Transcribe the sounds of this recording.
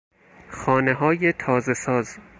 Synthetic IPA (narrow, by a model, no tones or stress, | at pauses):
xɒːneɦɒːjet̪ʰɒːzesɒːz